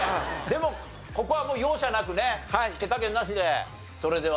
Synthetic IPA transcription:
d̪e̞mo̞ | ko̞ko̞βamo̞ːjo̞ːɕanakɯ̟ne̞hat̪e̞kakẽnːaɕ̬id̪e̞ | so̞ɾe̞d̪e̞

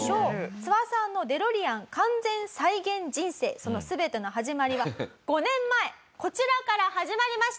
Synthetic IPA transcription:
ɕoːt͡sɨβasãnːo̞d̪e̞ɾo̞ɾʲiãŋkãnd͡zẽ̞ñsaiɡẽ̞ɲd͡ʑĩɰ̃se̞̰ːso̞no̞sɨbe̞t̪e̞noɦaʑimaɾʲiβaɡ̥o̞nẽ̞mːae | ko̞t͡ɕiɾakaɾahaʑimaɾʲimaɕi̥t̪

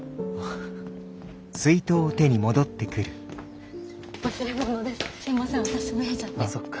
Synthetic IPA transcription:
sɨit̪o̞ːt̪e̞ɲ̟imo̞d̪o̞t̪ːe̞kɯ̟ɾɯ̟ | sood̪essimasãβat̪aɕimoet͡ɕat̪ːokː

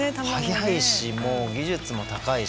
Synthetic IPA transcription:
et̪ahaɡʲihaiɕimo̞ːɡʲiʑɨt͡sɨmo̞t̪akai

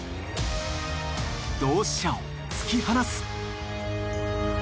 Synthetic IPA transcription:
d̪oːɕao | t͡sɨ̥kʲihanasɨ̥

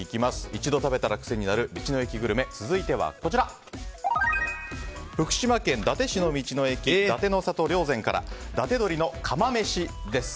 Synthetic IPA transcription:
ikʲimasɨ̥it͡ɕid̪o̞t̪abe̞t̪aɾakɯ̟̥se̞ɲ̟inaɾɯ̟mʲit͡ɕino̞e̞kʲiɡɯ̟ɾɯ̟me̞t͡sɨzɨit̪e̞βa̰ko̞t͡ɕiɾa | ɸɯ̟kɯ̟̥ɕimakẽ̞nd̪at̪e̞ɕino̞mʲit͡ɕino̞e̞kʲid̪at̪e̞nosat̪o̞ɾʲo̞ːzẽ̞ŋkaɾʔa̰d̪at̪e̞d̪o̞ɾʲino̞kʰamame̞ɕid̪e̞sɨ̥

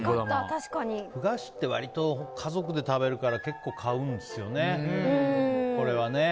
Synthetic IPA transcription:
at̪aɕi̥kaɲiɸɯ̟ɡaɕi̥t̪ːe̞βa̰ɾʲit̪o̞kʰazo̞kɯ̟d̪e̞t̪abe̞ɾɯ̟kaɾake̞kːo̞ːkʰaɯ̟̃nd̪e̞sɨjo̞ne̞ | kko̞ɾe̞βane̞

